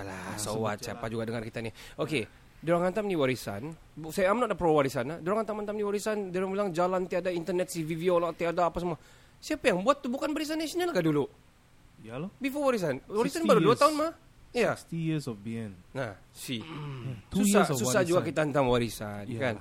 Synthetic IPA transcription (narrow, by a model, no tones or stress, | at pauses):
ala̰sowa̰t̪sia̰pad͡ʒuɡadəŋarkit̪anioke | doɾaŋant̪amniwaɾisa̰n | sajamnɔʔdapɾowaɾisanahdoɾaŋhant̪amant̪amniwaɾisandoɾaŋbilaŋd͡ʒalant̪iadaint̪ənɛt̪̚siviviolat̪iadaːpas̬əmua | siapajaŋbuat̪ːubukanwaɾis̬anasnalkadulu | bifɔwaɾis̬anwaɾisanbaloduat̪aʊnmah | ijasɔfbiɛnnasi | usasusad͡ʒuɡakit̪aənt̪amwaɾisa̰nkan